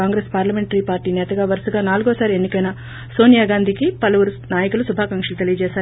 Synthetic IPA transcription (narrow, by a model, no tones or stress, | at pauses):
aːŋɡɾeːspaːɾlɐme̞ɳʈɐɾiːpaːɾʈiːnɛːt̪ɐɡaːʋɐɾsɐɡaːnaːluɡoːsaːɾienːikɐjnɐ | so̞ːnijaːɡaːnd̪ʱikipɐlɐʋuɾu | naːjɐkulusubʱaːkɐŋkʂɐlut̪e̞lijɐd͡ʒɛːsaːɾ